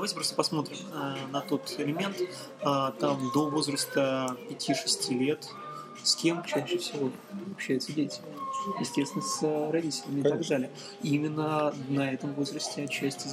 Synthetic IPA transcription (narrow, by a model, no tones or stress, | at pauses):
d̪ɐajtʲɪpɾo̞st̪əpɐsmo̞t̪ɾʲɪmənɐt̪o̞t̪ɪlʲɪmʲe̞nt̪ | at̪amd̪o̞vo̞zɾəst̪əpʲɪtʲʰiʂɨsʲtʲilʲe̞t̪ | sʲkʲe̞mt͡ɕæɕːɪfsʲɪvo̞ | ɐpɕːæjʉt̪sədʲetʲɪ | jɪsʲtʲest̪ʲɪnəsəɾɐdʲitʲɪlʲɪmʲɪt̪ɐɡd̪alʲɪjə | imʲɪnːənɐɛt̪əmvo̞zɾəsʲtʲɪɐt͡ɕːæsʲtʲɪz